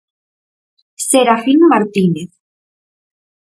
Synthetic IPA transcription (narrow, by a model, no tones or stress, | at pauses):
seɾafiŋmaɾt̪ineθ